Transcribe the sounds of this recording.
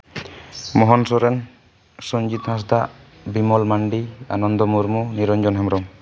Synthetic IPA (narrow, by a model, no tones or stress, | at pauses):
mɔɦɔnsɔɾɛn | sɔnd͡ʒit̪has̬d̪aʔ | bimɔlmaɳɖia̰nɔnd̪ɔmuɾmuniɾɔnd͡ʒɔnɦamɾɔm